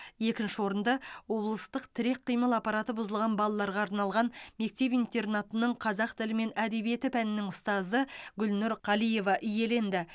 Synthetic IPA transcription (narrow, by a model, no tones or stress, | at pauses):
je̞kʲɪnʃɪwo̞ɾənd̪ɑwo̞blˠəst̪əqt̪ʰɪɾe̞k̚qʰːijməlˠɑpːɑɾɑt̪əbʊzəlˠʁɑnbɑlˠɑlˠɑɾʁɑːɾnɑlˠʁɑnme̞k̚t̪e̞pijnt̪e̞rnat̪ənəɴqʰɑzɑq̚t̪ʰɪlɪme̞næd̪e̞bije̞t̪ɪpʰænɪnɪŋʊst̪ɑzəɡʲʏlnʊɾqʰɑlˠije̞vɑʔʏje̞le̞nd̪ɪ